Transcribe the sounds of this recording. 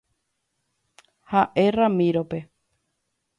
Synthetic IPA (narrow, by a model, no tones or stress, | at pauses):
haʔe̞ramĩɾope̞